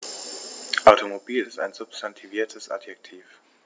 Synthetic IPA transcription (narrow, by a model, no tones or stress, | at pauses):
ʔaʊtomobiːlɪsta̰ɪnzʊpstʰantʰiviːɐtʰəsʔa̰djɛk̚tʰiːf